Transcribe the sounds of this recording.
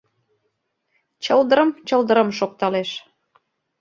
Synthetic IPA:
t͡ɕəld̪əɾə̆mt͡ɕəld̪əɾəmʃok̚t̪ɑleʃ

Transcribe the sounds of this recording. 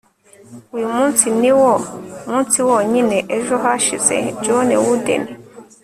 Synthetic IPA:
wimũntiniwɔmũntiwɔɲinɛʔɛʒɔɦaʃizɛ̰d͡ʒɔnɛ̰wudɛ̰nɛ

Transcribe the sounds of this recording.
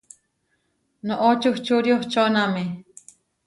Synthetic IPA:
noʔot͡ʃuht͡ʃuɾjoht͡ʃoname

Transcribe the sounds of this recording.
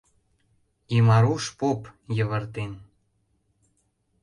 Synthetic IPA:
imɑɾuʃpopjə̆βə̆rt̪en

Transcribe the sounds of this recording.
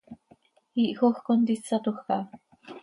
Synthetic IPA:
iʔxoxkont̪isat̪uxːɑ

